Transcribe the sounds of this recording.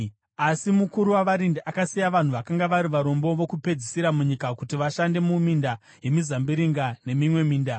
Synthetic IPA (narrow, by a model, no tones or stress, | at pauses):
asimukuɾuwaʋaɾindiʔakasijaʋan̤uʋakaŋɡaʋaɾiʋaɾo̞mbo̞ʋo̞kupe̞d͡zisiɾamuɲikakutiʋaʃande̞muminda | ɦe̞mizambiɾiŋɡane̞mimwe̞miːnda